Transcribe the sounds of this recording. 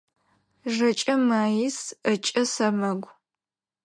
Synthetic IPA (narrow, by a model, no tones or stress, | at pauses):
ʒɐt͡ʃʼɐmaːjisət͡ʃʼɐsɐmɐɡʷ